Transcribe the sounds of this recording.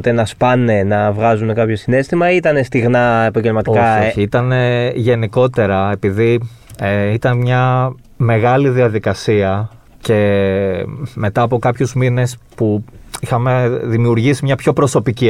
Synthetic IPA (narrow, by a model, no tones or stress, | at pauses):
t̪enɐspɐne̞nɐvɣɐzune̞kɐpço̞sine̞st̪imɐit̪ɐne̞st̪iɣnɐepɐɲɟe̞lmɐt̪iokɐoçiit̪ɐneʝe̞niko̞t̪e̞ɾɐe̞piði | eit̪ɐnmɲɐ | me̞ɣɐliðiɐðikɐsiɐ | ce̞ | me̞t̪ɐːpo̞kɐpçuzmine̞spuixɐme̞ðimiuɾʝisimɲɐpço̞pɾo̞so̞pici